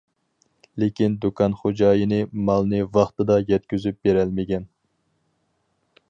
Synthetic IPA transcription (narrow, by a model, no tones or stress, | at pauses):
lekʲind̪ukʰɑnχod͡ʒɑːjinɪmɑlˠnɨvɑχt̪ɨd̪ɑjɛt̪̚kʲyzyp̚beɾɛlmɪɡʲɛn